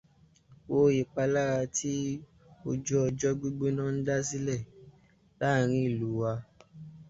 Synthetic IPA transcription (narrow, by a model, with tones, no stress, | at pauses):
wo˧je˨k͡pa˧la˦ɾa˧tʰi˦ | o˧d͡ʒɔ˦ɔ˧d͡ʒɔ˦ɡ͡be˦ɡ͡be˦nã˦˧n̩˦da˦s̬i˦lɛ˦˨ | la˦˨ɾ̃ĩ˦i˦˨lu˨˦wa˧